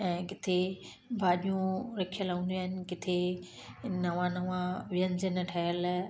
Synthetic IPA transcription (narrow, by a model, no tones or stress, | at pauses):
ɛ̃ːkɪt̪ʰe | bʱaːɗijũɾɐkʰjəlaũːnd̪iaːɦɪnɪ̆kɪt̪ʰe | nɐʋãnɐʋãʋɪjəɲd͡ʑənəʈʰɐjəl